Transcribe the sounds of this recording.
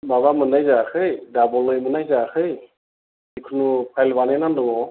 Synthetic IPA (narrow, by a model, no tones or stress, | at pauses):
maβamɯnajzakʰɯjdabɔlɯjmɯnajzakʰɯj | ikʰunupʰajlbanɯnandɔŋɔ